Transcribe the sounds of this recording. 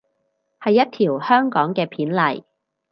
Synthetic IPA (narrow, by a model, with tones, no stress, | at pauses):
hɐ˨jːɐ˥t̚t̪ʰiː˨˩whœː˥ŋkɔː˨˥ŋkɛː˧pʰiː˨˥nlɐ˨˩j